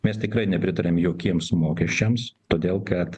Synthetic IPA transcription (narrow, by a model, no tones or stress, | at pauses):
mʲɛst̪ʲɪkɾɐɪnʲɛpʲɾʲɪt̪ɐɾʲemjoːkʲiɛmsmoːkʲɛʃʲt͡ʃʲɛmst̪oːd̪ʲeːlˠkɐt̪